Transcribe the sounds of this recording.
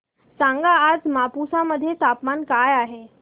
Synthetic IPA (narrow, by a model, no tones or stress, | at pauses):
sãŋɡaːd͡zmapusaməd̪ʱːjet̪apmankajaɦe